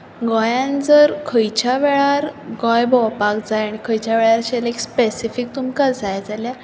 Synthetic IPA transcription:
ɡɔ̃jãnd͡zəɾkʰəjt͡ɕaʋeɭaɾɡɔjbɔwpakd͡zajaɽ̃ikʰəjt͡ɕaʋɛɭaɾɕelekspesifik̚t̪umkad͡zajd͡zalja

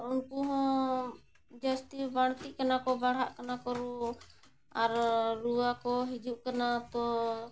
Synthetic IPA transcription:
unkuɦɔ̃ | d͡ʒəst̪ibaɽ̃t̪iʔkanakɔbaɽɦaʔkanakɔɾu | aɾɾuwakɔɦid͡ʒuʔkanat̪ɔ

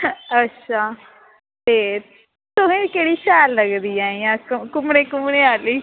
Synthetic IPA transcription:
ətːʃʰaː | t̪eː | t̪ʊɦẽːkeːɽiːʃɛːlːəɡd̪iːaːiːãːkkʊmɽeːkʊmɳẽːaːliː

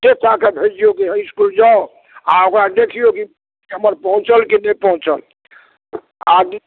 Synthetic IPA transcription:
tet̪akebʱed͡ʒijokiɦəskuld͡ʒaʊ | a̰okɾad̪ekʰijoki | ɦəməɾpəɦũt͡ʃəlkinəpəɦũt͡ʃəl | ad

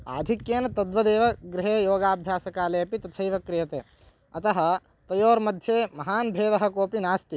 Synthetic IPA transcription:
aːd̪ʱikjeːnɐt̪ɐd̪ʋɐd̪eːʋɐɡɾɪɦeːjoːɡaːbʱjaːsɐkaːleːɐpit̪ɐt͡ʃʰɐjʋɐkɾɪjɐt̪eː | ɐt̪ɐɦɐ̆ | t̪ɐjoːɾmɐd̪ʱjeːmɐɦaːnbʱeːd̪ɐɦɐ̆koːpinaːst̪i

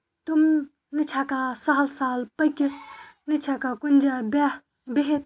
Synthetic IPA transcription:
t̪um | nɪt͡ʃʰakasaɦlsaːlpɐkenɪt͡ʃʰakakʊnʲd͡ʒab | beɦet̪̚

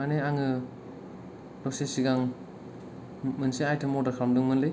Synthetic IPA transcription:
aneaŋɯ | lɔsesiɡaŋ | mɯnsiajtʰɯmɔdakʰɾamduŋmɯnlɯj

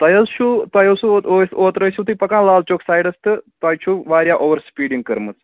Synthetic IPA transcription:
t̪ɐjɐt͡sʃut̪ɐjɐsuosoːt̪ɾəjsut̪upɐkãːnlaːlt͡ʃoːksaːjɖɐst̪ɨt̪ɐjt͡ʃʰuʋaːɾjaʔoːʋəɾspiːɖiŋɡkəɾmɐt͡s

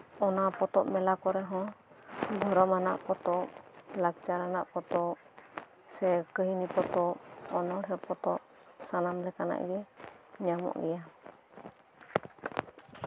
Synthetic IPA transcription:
ɔnapɔt̪ɔʔmɛlakɔɾɛɦɔ̃ | d̪ʱɔɾɔmana̰ʔpɔt̪ɔlak̚t͡ʃaɾanaʔpɔt̪ɔ | sɛkəɦinipɔt̪ɔɔnɔɽɦɛpɔt̪ɔʔ | sanamlɛkana̰ʔɡɛɲamɔ̰ʔɡɛja

